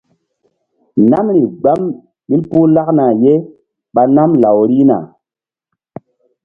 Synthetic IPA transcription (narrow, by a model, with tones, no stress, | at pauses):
na˦mɾi˨ɡ͡ba˦m | ɓi˦lpu˦la˦kna˨je˦ | ɓa˨na˦mla˨wɾi˦na̰˨